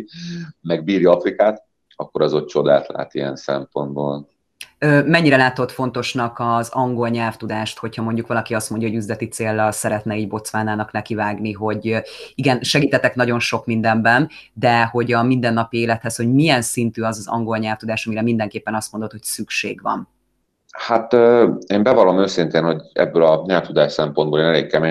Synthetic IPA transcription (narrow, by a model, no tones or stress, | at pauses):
mɛɡbiːɾjɒɒfɾikaːt̪ | ɒkːoɾɒzot̪t͡ʃo̞d̪a̰ːt̪la̰ːt̪iɛ̰nsɛ̰mpo̞nd̪boːl | øːmɛɲːiɾɛlaːt̪o̞t̪fo̞n̪t̪o̞ʃnɒkɒzɒŋɡo̞lɲɛlft̪ud̪aːʃt̪ho̞chɒmo̞ɲɟukʋɒlɒkiɒst̪mo̞ɲɟjɒɦoɟyzlɛt̪it̪seːlːɒlsɛɾɛt̪nɛiːɟbo̞t̪sʋaːnaːnɒknɛkivaːɡniɦo̞ɟiɡɛnʃɛɡiːt̪ɛt̪ɛknɒɟo̞nʃo̞kmind̪ɛmbɛnd̪ɛho̞ɟɒmind̪ɛnːɒpieːlɛt̪hɛsho̞ɟmijɛnsint̪yɒzɒzɒ̰ŋɡo̞lɲɛlft̪ud̪aːʃɒmiɾɛmind̪ɛŋkeːpːɛnɒst̪mo̞nd̪ot̪hocsykʃḛːɡʋɒ̰n | hat̪ːeːmbɛvɒlomøːsint̪eːnho̞ɟɛ̰bːølɒɲɛlft̪ud̪aːʃsɛmpo̞nd̪boːleːnɛlḛːkkɛme